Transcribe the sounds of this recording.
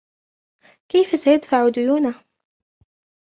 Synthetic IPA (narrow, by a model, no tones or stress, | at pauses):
kajfasajad̪faʕʊd̪ʊjuːna